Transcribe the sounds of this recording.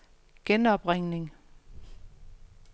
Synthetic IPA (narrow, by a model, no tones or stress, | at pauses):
ɡ̥enɒ̽b̥ʁeŋne̝ŋ